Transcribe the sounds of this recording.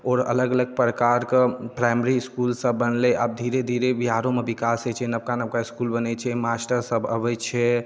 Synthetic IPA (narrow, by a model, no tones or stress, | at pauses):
ɔːɾə̰ləɡələɡ̚pɾəkaɾkepɾajməɾiskulsəbːənlɛʔa̰b̚d̪ʱiɾed̪ʱiɾebiɦaɾõmebikaset͡ʃʰɛnəb̚kanəb̚kaiskulbənɛt͡ʃʰɛmasʈəɾsəbʱə̰bɛt͡ʃʰɛ